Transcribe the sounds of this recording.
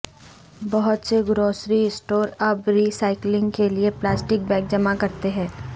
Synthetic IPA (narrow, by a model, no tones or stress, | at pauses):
bɐɦʊt̪seɡɾoːsɾiɪsʈoːɾɐbɾiːsaːɪklɪ̃ŋɡkelieplaːsʈɪk̚bɛ̃ːk̚d͡ʒɐmakɐɾt̪eɦɛ̃ː